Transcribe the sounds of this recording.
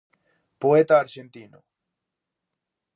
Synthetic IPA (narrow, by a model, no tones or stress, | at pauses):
poet̪aːɾʃent̪ino̰